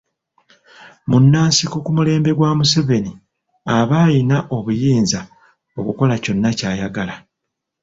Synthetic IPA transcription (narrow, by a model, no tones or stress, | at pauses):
munːaːnsikokumule̞ːmbe̞ɡwaːmuseve̞ni | aβaːjinaʔo̞βujiːnza | o̞kuko̞laco̞nːacaːjaɡala